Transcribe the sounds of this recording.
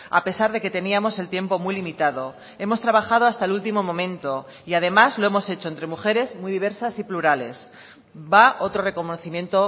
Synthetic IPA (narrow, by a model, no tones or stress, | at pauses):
a̰pe̞saɾðe̞ke̞t̪e̞niamo̞se̞lt̪je̞mpo̞mujlimit̪aðo̞ | e̞mo̞st̪ɾaβaxað̞o̞ast̪aelult̪imo̞mõ̞mẽ̞nt̪o̞ | iað̞e̞mazlo̞e̞mo̞se̞t͡ʃo̞ent̪ɾe̞muxe̞ɾe̞zmwujðiβ̞e̞ɾsasipluɾale̞̰s | baʔo̞t̪ɾo̞re̞ko̞noθimjẽ̞nt̪o̞